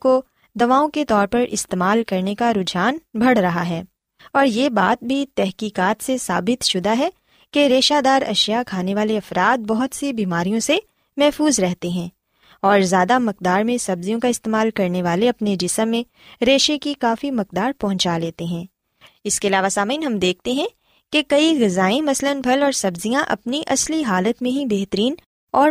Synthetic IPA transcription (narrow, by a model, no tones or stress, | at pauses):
ko | d̪ɐʋaːõket̪ɔːɾpɐɾʔɪ̰st̪eːmaːlkɐɾnekaɾʊd͡ʒaːnbʱɐɽ̤ɾɐɦaɦɛː | ɔːɾjeːbaːt̪̚bʱit̪ɛɦkiːkaːt̪sesa̰ːbɪt̪ʃʊd̪aɦɛ | keɾeːʃad̪aːɾɐ̰ʃjakʰaːneʋaːleɐfɾaːt̪̚bɐɦʊt̪sibiːmaːɾijõse | mɛɦfuːzɾɛɦt̪eɦɛ̃ː | ɔːɾzjaːd̪amɐq̚d̪aːɾmẽsɐbzijõkaɪst̪eːmaːlkɐɾneʋaːleɐpned͡ʒɪsəmːẽ | ɾeːʃekikaːfimɐq̚d̪aːɾpɐɦʊ̃ɲt͡ʃaleːt̪eɦɛ̃ː | ɪskeɐlaːʋasaːmiːnɦɐmd̪eːk̚ʰt̪eɦɛ̃ | kekɐiɣɐzaːẽmɐslənbʱɐlɔːɾsɐbzijãʔɐ̰pniʔɐsliɦaːlət̪mẽɦibeːɦt̪əɾiːn | ɔːɾ